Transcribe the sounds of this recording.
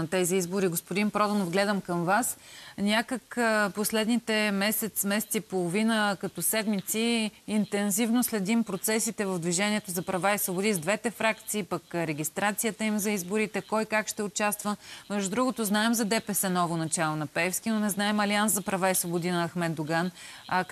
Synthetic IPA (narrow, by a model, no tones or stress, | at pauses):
t̪ɛziizboɾiɡospod̪inpɾɔd̪onovɡlɛd̪əmkəmvasnʲakəkposlɛd̪nit̪ɛmɛsɛt̪smɛsɛ̥t̪ipolˠovinəkɐt̪ɔsɛd̪mit̪siːnt̪ɛnzivnoslɛd̪impɾot̪sɛsit̪ɛvəvd̪viʒɛnʲiɛt̪ozɐpɾɐvaisvobʊd̪izd̪vɛt̪ɛfɾakt̪siːpəkɾɛɡ̟ʲist̪ɾat̪sijət̪əimzɐizbʊɾit̪ɛkɔjkakʃt̪ɛʊt͡ʃast̪vəmɛʒd̪ud̪ɾuɡot̪oznaɛmzɐd̪ɛpɛsɛnɔvonɐt͡ʃalˠonɐpɛɛfsk̟ʲinonɛznaɛmɐlianszɐpɾɐvaisvobʊd̪inɐɐxmɛt̪d̪ʊɡan